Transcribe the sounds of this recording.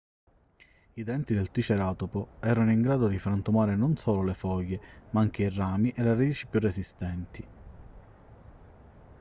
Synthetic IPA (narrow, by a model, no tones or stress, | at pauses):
id̪ɛnt̪id̪elt̪it͡ʃeɾaːt̪opoɛːɾanoiŋɡɾaːd̪od̪ifɾant̪umaːɾenonsoːlolefɔjːemaaŋk̟eiraːmiʔeleɾad̪iːt͡ʃi̥pjurːesist̪ɛnt̪i